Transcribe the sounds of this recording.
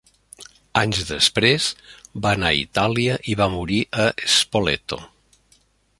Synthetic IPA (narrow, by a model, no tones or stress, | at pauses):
aɲzðəspɾezbaənaḭt̪aliəʔiβamuɾiʔəespolḛt̪o̰